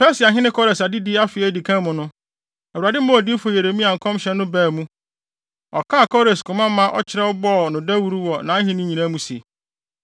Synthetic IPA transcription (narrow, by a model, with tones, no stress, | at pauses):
pɛ˦sa˨ɦɪ̃˦nɪ̃˦kʰɔ˦ɾe˨sa˨di˦dɪ˦a˦fɪ˨æ˦˨di˨kʰã˦mʊ̃˨nʊ̃˦ | æ˨wu˨ɾa˨dɪ˦mʊ̃˦ɔ˨di˦fo˨je˨ɾe˨mĩ˦a˨ŋ̩˨kʰɔ̃˦mɕɛ˨˦nʊ̃˦bæː˦˨mũ˦ | ɔ˨kʰa˦˨kʰɔ˦ɾe˨skʰʊ̃˨mã˦mã˦ʔɔ̰˦t͡ɕʰɪ˨ɾɛ˦ɔ˦bɔː˦˨nʊ̃˨dæ˦wu˦ɾu˦wɔ˨nã˨˦ɦɪ̃˦nĩ˦ɲĩ˨nã˦mũ˨sḭ˨